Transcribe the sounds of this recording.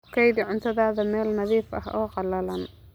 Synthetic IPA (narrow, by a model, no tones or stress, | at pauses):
kʰɐjðʕʊnt̪ʰɐðaːðɐmɛːlnɐðiːfɐ̰ɦɔ̰ːqɑlɐlɐn